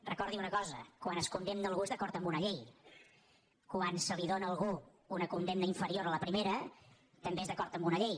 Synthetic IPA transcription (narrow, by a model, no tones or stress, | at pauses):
rəkɔɾðiunəkɔzəkwanəskund̪emnəːlˠɣuezðəkɔɾt̪əmbunəʎej | kwansəliðonəːlˠɣuː | nəkund̪emnəiɱfəɾioɾələpɾimeɾə | t̪əmbeezðəkɔɾt̪əmbunəʎej